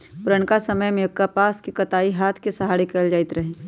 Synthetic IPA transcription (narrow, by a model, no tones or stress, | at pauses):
pʊɾəɳkasɐməjmẽkːapaːskikɐt̪aːiɦaːt̪ʰkesɐɦaːɽikɐld͡ʒaːɪt̪ɾɐɦẽː